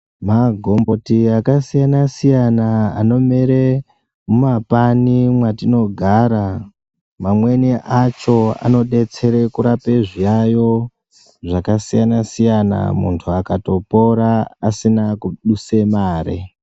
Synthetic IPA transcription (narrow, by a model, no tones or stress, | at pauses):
maɡʱo̞mbo̞tiakasijanasijanaa̰no̞meɾe | mumapanimwatino̞ɡʱaːɾa | mamwe̞niʔat͡ʃo̞a̰no̞ɗe̞t͡se̞ɾe̞kuɾape̞ʐijajo̞ | ʐakasijanasijana̰mṵntʰuakato̞po̞ɾaasinakuɗuse̞maːɾḛ